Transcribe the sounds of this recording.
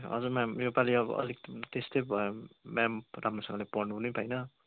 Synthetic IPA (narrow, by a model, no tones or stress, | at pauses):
ʌ̰d͡zumamjopaliʌbʌ̰ʔʌ̰likt̪est̪ʌjbʱʌmamramrosʌ̃ŋɡʌlepʌrnunipʰʌjnʌ